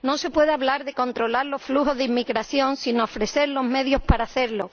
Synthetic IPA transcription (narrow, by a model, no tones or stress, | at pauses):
no̞se̞pwe̞ðeaβlaɾðe̞ko̞nt̪ɾo̞laɾlo̞sfluɦo̞zðeimːiɣɾaθjo̞nsino̞ːfɾe̞θe̞ɾlo̞ɦme̞ð̞jo̞paɾaːθe̞ɾlo̞